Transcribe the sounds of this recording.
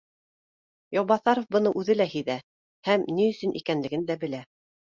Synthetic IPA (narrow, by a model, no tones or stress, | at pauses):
jowbɑθɑɾŏfbɤ̆nɤʔʉðɘlæhiðæ | hæmniɵ̆sɵnʔḭkænlɘ̆ɡɘnd̪æbɘ̆læ